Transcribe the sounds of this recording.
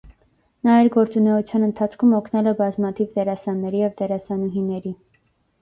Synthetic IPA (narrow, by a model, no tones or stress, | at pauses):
nɑjɛɾɡɔɾt͡sunɛut͡sʰjɑnənt̪ʰɑt͡sʰkʰumɔkʰnɛlɛbɑzmɑt̪ʰivd̪ɛɾɑsɑnːɛɾijɛvd̪ɛɾɑsɑnuɦinɛɾi